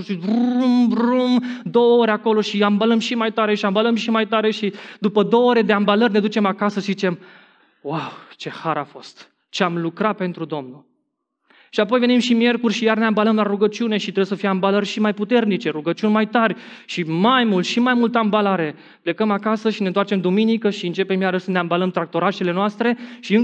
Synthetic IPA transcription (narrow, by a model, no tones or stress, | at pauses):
ʃirumrumd̪o̞wəoɾʲako̞lo̞ʃiambaləmʃimajt̪aɾe̞ʃiambaləmʃimajt̪aɾe̞ʃid̪upəd̪o̞ooɾed̪e̞ambalərʲned̪ut͡ʃe̞makasəzit͡ʃe̞m | wawt͡ʃe̞haɾafo̞st̪ | t͡ʃeamlukɾapent̪ɾud̪o̞mnul | ʃiapo̞jve̞nimʃimje̞rkurʲʃijarneambaləmlaɾuɡət͡ʃiune̞ʃit̪ɾebjesəfijambalərʲʃimajput̪e̞rnit͡ʃe̞ɾuɡət͡ʃiunʲmajt̪arʲʃimajmult̪ʃimajmult̪əambalaɾe̞ | ple̞kəmakasəʃine̞nt̪wart͡ʃe̞md̪uminikəʃiɨnt͡ʃepemjaɾəsəneambaləmt̪ɾak̚t̪o̞ɾaʃele̞noast̪ɾe̞ʃiɨŋ